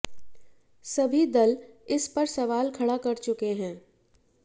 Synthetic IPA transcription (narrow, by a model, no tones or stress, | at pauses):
sɐbʱid̪ɐlɪspɐɾsɐʋaːlkʰɐɽakɐɾt͡ʃʊkeɦɛ̃ː